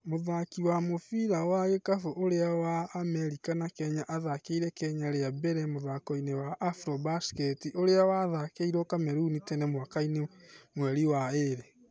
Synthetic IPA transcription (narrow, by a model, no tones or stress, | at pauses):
moðakiwamofiɾawaɣekafoʔoɾeawaːmɛɾikanakɛɲaʔaðakeiɾɛkɛɲaɾeabɛɾɛmoðakɔinewaʔːfɾɔbaskɛtiʔoɾeawaðakeiɾɔkamɛɾunitɛnɛmwakainemwɛɾiwaeɾe